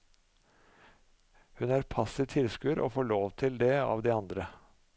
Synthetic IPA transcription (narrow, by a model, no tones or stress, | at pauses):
hʉnæːɾpʰɑsɪʋt̪ʰɪlskʉɾʔo̰ːfoːɭoːʋt̪ʰɪld̪ɛɑ̰ːʋd̪iːɑnd̪ɾə